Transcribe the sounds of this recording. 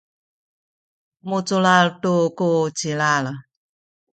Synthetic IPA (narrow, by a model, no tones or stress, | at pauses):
mut͡sulaltukut͡silal